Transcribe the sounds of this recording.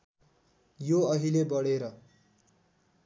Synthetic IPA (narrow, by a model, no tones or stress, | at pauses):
joʌɦilebʌɽeɾʌ